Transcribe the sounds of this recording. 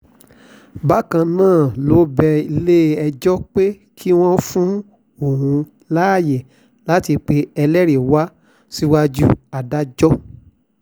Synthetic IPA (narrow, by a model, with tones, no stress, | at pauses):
ba˦kã˧nãː˦˨lo˨˦bɛ˧i˧le˦ɛ˧d͡ʒɔ˦k͡pe˦ | kʰi˦w̃ɔ̃˦fũ˦ | o˦˨hũ˧ | laː˦˨je˨ | la˨˦ti˧k͡pe˧ɛ˧lɛ˦ɾe˨wa˦ | si˦wa˧d͡ʒu˦a˨da˦d͡ʒɔ˦